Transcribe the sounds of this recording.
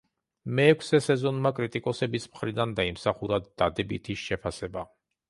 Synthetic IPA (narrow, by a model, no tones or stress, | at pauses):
mɛːkʷʰsɛsɛzɔnmakʼɾit̪ʼikʼɔsɛbismχɾid̪and̪aimsaχuɾad̪̥ad̪ɛbḭt̪ʰiʃɛpʰasɛba